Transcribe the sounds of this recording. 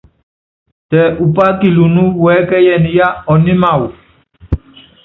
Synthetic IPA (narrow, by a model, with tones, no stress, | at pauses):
tɛ˨ʔu˨pa˦ki˨lu˨nu˦wɛ˨˦kɛ˦jɛ˨ni˨ja˦ɔ˨ni˦ma˨w